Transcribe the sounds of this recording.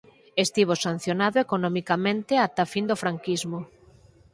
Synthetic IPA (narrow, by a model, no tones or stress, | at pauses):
est̪iβ̞osan̟θjonaðoekonɔmikamẽnt̪ɪat̪afind̪ofɾaŋkizmʊ